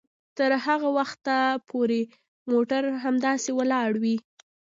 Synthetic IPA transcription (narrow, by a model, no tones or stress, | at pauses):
t̪əɾhaɣawaxt̪apʰoɾe | moʈaɾɦamd̪ɑsewəlɑɽwi